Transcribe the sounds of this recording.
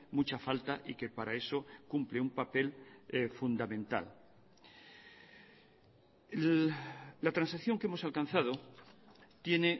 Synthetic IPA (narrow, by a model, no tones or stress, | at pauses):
mut͡ʃafalt̪aʔike̞paɾae̞so̞kumpleumpape̞lfund̪amẽ̞nt̪a̰l | lat̪ɾansakθjo̞ŋkee̞mo̞salkan̟θað̞o̞ | t̪je̞ne̞